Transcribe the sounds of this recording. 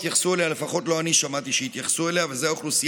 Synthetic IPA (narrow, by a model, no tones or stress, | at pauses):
tjaχsuelehalefaχo̞t̪lo̞aniʃamat̪iʃeit̪jaχsueleavezeaoχlusi